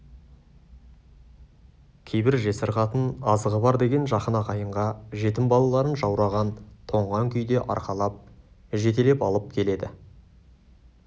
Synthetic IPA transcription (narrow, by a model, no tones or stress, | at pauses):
kʲʰe̞jbɪɾʒe̞səɾʁɑt̪ənɑzəʁəbɑɾd̪e̞ɡʲe̞nʒɑχənɑqɑjəɴʁɑʒe̞t̪ɪmbɑlˠɑlˠɑɾənʒɑwɾɑʁɑnt̪ʰo̞ɴʁɑŋkʲʰʏjd̪e̞ʔɑ̰ɾqɑlˠɑp̚ | ʒe̞t̪e̞le̞pɑlˠəp̚kʲʰe̞le̞d̪ɪ